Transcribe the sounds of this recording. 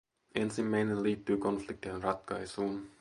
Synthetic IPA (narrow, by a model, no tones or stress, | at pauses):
e̞nsimːæjnenliːt̪ːyːko̞nflik̚t̪ienrɑt̪kɑjsuːn